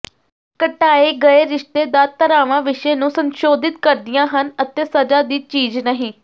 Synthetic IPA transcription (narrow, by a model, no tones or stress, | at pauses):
kəʈaːeːɡəeːɾɪʃt̪eːd̪aːt̪əɾaːʋãːʋɪʃeːnũːsənʃoːd̪ɪt̪kəɾd̪ɪjãːɦənət̪eːsəd͡ʒaːd̪iːt͡ʃiːd͡ʒnəɦĩː